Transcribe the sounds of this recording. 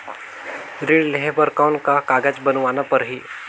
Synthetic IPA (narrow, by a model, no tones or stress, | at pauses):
ɾiɽleɦebəɾkawnkakaːɡad͡ʒbənʋanapəɾɦiː